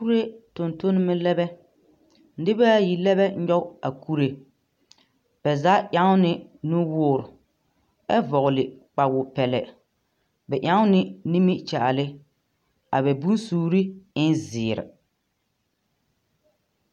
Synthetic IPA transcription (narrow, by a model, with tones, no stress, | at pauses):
ku˦ɾe˦tʊ˨nto˦nɪ˦mɪ˦lɛ˦bɛ˦ | n̩˦dɪ˦baː˦ji˨lɛ˦βɛ˦ɲɔ˦a˨kʰu˦ɾe˨ | b̥ɛ˨za˦ʔa˦ŋʊ˦nɪ˦nʊ˦wʊː˦˨ɾʊ˨ | ɛ˦vɔ˨ɣʊ˨lɪ˨k͡pa˨wʊ˨pɛ˨lɛ̰˨ | bɛ˨ʔa˦ŋʊ˦nɪ˦ni˦mi˦t͡ʃa˨ʔa˨lɪ˦ | a̰˨bɛ˨bu˦n˦suː˦˨˦ɾi˦ɪ˦nzɪː˨ɾɪ̰˨